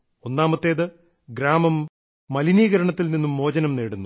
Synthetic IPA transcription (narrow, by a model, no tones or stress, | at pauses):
o̞nːaːmɐt̪ːe̞ːðɨ | ɡɾaːmɐmː | ɐliniːɣɐɾɐɳɐt̪ːilninːumːo̞ːd͡ʑɐnɐmneːɽunːu